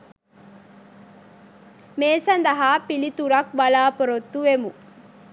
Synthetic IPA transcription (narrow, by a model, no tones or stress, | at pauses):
meːsɐnd̪ɐɦaːpilit̪uɾɐkbɐlaːpoɾot̪ːuʋemu